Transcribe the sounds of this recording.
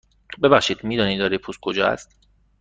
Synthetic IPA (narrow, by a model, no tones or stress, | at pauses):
bebæxʃiːd̪miːd̪ɒːniːd̪ɒːɾipʰuskʰod͡ʒɒ̰ːæ̰st̪